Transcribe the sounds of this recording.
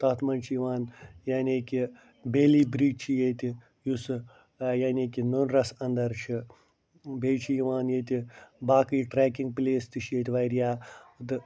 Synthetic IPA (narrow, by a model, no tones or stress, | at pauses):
t̪ɐt̪ʰmɐnt͡ʃʰijiʋaːnjaːnʲeːkʲi | beːliːbɾiːt͡ʃʰijet̪ʲi | jus | jaːnʲeːkʲinonɾɐsɐnd̪ɐɾt͡ʃʰi | beːt͡ʃʰijiʋaːnjeːt̪ʲibaːkɨjʈɾeːkiŋɡ̚pleːst̪ɨʃjet̪ʲʋajɾijaːt̪ɨ